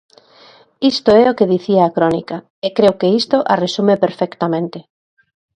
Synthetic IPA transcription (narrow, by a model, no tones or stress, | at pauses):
ist̪oɛokeðiθiaːkɾɔnḭka | ekɾewkeist̪oʔaresumepeɾfɛkt̪amẽnt̪ɪ